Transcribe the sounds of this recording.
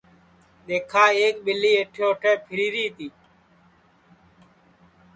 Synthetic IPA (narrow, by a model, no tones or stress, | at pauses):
ɗ̪eːkʰaːeːkɓɪliːeːʈʰjoːʈʰeːpʰɪɾiːɾiːt̪iː